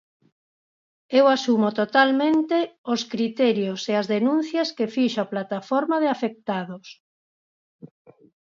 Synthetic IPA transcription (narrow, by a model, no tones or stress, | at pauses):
ewasumot̪ot̪almẽnt̪eoskɾit̪ɛɾjoseazðenũn̟θjɐskefiʃoaplat̪afɔɾmaðɪafek̚t̪aðos